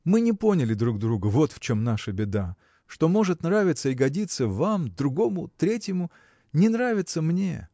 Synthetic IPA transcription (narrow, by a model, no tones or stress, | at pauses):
mɨnʲɪpo̞nʲɪlʲɪd̪ɾuɡ̚d̪ɾuɡəvo̞t̪ft͡ɕomnaʂəbʲɪd̪a | ʂt̪o̞mo̞ʐɨt̪nɾavʲɪt̪səiɡɐdʲit̪səvamd̪ɾʊɡo̞mʊt̪ɾʲetʲjɪmʊ | nʲɪnɾavʲɪt̪səmnʲe̞̰